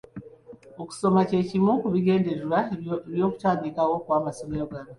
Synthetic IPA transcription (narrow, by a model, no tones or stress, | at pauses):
oku̥so̞mace̞ːcimukuβiɡe̞ːndeɾwaeβjo̞ːku̥taːβikawo̞kwaːmasomejoɡaβi